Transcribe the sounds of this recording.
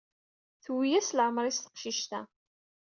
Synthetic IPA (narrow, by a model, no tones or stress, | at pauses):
θwijæslʕəmɾˤist̪ə̥qʃiʃt̪æ̰